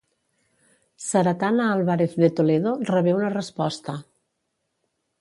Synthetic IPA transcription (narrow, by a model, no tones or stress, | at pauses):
saɾat̪anaalˠβaɾeθðet̪oleðorəβɛunərəspɔst̪ə